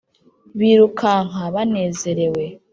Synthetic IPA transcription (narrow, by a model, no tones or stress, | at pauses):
βiːɾukʰaŋ̥aβane̞ːze̞ɾe̞we̞